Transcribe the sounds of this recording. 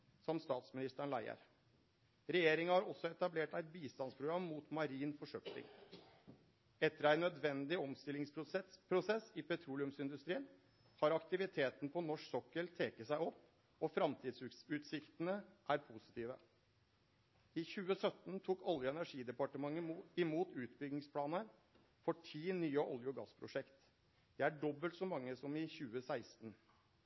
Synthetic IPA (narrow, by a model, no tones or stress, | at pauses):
sɔmst̪ɑːt̪smɪnɪst̪əɳlæ̰ɪə̰ɾ | ɾɛjeːɾɪŋɑhɑɾɔsːɔɛt̪ɑbleːʈæɪt̪̚biːst̪ɑnspʰɾʊɡɾɑmːuːt̪mɑɾiːnfɔʂœkt̪ɪ̰ŋ | ɛt̪ːəɾæɪnœd̪ʋɛnd̪ɪɔmst̪ɪlɪŋspʰɾʊsɛsːɪpɛt̪ʰɾuːlɪʉmsɪnd̪ʉst̪ɾiːən | hɑɾɑkt̪ɪʋɪt̪ʰeːt̪ən̩pʰɔnɔʂsɔkːəɭt̪ʰeːkəsæɪɔpː | ɔfɾɑmt̪ʰiːd̪ssʉːt̪sɪkt̪ənəʔæɾpʰuːsɪ̥t̪ʰiːʋə | ɪçʉːəsœt̪nt̪ʰuːkɔljʊɛnæʂiːd̪ɛpɑʈəmɑŋːəɪmuːt̪ʉːt̪bʏɡnɪŋspʰlɑːnəɾ | fɔʈʰiːnyːəʔɔljʊɡɑ̰spʰɾʊ̰ʂɛkt̪ | d̪̥ɛæɖɔbːəlt̪sɔmɑŋːəsɔmɪçʉːəsæɪst̪n